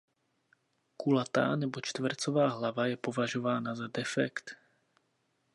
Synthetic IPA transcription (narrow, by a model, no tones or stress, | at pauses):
kulat̪a̰ːnɛbo̞t͡ʃt̪vrt͡so̞vaːɦlavajɛpo̞vaʒo̞vaːnazadɛfɛ̰kt̪